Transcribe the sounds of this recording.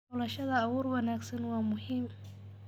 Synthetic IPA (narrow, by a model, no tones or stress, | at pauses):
ɔːlɐʃɐðɐːwɔːɾwɐnaːɡsɐnwaːmʊɦim